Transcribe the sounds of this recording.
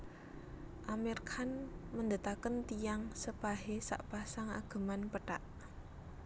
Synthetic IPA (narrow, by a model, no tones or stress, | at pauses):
ʔamirkʰanmənd̪ət̪akənt̪ijaŋsəpaɦesa̰ʔpasaŋa̰ɡ̥ə̤manpəʈaʔ